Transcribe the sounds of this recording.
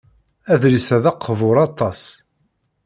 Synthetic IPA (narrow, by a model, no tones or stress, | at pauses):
æðɾisæðɑqʰːvʊɾˤɑt̪ˤːɑs